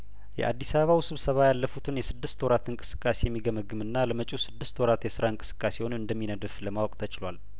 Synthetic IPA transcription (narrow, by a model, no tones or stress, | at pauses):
jɛ̰ʔa̰d̪ːisaβəβawsɨβsəβajalːəfut̪ʰɨnjɛsɨd̪ːɨst̪wɔɾat̪ɨŋkʼɨ̥sɨ̥kʼːasejɛmːiɡəməɡɨmɨnːaləmət͡ʃʼusɨd̪ːɨst̪wɔɾat̪jɛsɨɾaɨŋkʼɨ̥sɨ̥kʼːase̞wonɨnd̪əmːinəd̪ɨfləmawɔkʼt̪ʰət͡ʃʼɪlwal